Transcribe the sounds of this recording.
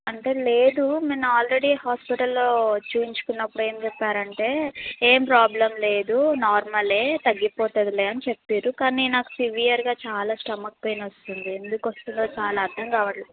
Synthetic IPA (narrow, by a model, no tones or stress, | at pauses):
ɐɳʈe̞ːle̞ːd̪umeːnɐaːlɾe̞ɽihaːspiʈɐlːo̞ːt͡ʃuːjiɲt͡ʃu̥kunːɐpːuɽue̞ːmt͡ʃɛpːaːɾɐɳʈe̞ːeːmpɾaːblɐmle̞ːd̪unaːɾmɐle̞ːt̪ɐɡːipoːt̪ɐd̪ileːɐnit͡ʃepːiːɾukaːninaːku̥siʋijɐɾɡaːt͡ʃaːlaːsʈɐmɐk̚pejnɐst̪und̪ie̞nd̪ukʋost̪und̪oːt͡ʃaːlaːɾd̪ʱɐŋkaːʋɐʈli